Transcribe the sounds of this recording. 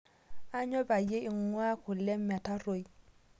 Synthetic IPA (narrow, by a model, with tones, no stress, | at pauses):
a˦ɲɔ˦ba˨je˦ɪ˨ŋwa˦kʊ˨lɛ˦mːa˨ta˦ɾo˨j